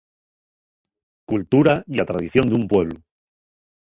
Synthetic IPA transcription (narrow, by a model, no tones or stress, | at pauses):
kult̪uɾaiat̪ɾaðiθjond̪umpwe̞β̞lu